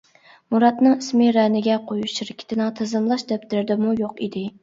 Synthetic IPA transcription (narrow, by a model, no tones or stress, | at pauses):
muɾɑt̪nɨŋismɪɾɛnɪɡʲɛqʰojuʃʃiɾɪkʲʰɪ̥t̪ʰɪnɨŋt̪ʰɨzɨmlˠɑʃd̪ɛp̚t̪ɪɾɪd̪ɪmujoqid̪ɪ